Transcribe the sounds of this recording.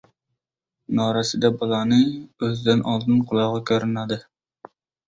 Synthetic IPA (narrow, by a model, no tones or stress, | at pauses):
nɑɾɑsɨd̪ɛbɑlˠɑnɨøzd̪ɪnɑlˠd̪ɨnqʰʊlˠɑʁɑkʲʰøɾɪnɑd̪ɨ